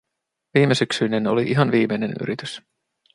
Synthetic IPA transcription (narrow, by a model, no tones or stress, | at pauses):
ʋiːme̞syksyneno̞̰liʔiɦɑnʋiːmejne̞ny̰ɾit̪ys